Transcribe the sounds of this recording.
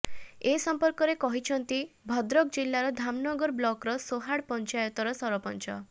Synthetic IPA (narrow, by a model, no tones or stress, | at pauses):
esɔmpɔɾkɔɾekɔɦit͡ʃʰɔnt̪i | bʱɔd̪ɾɔk̚d͡ʒilːaɾɔd̪ʱamnɔɡɔɾblɔkɾɔsoɦaɽpɔnt͡ʃajɔt̪ɔɾɔsɔɾɔpɔnt͡ʃɔ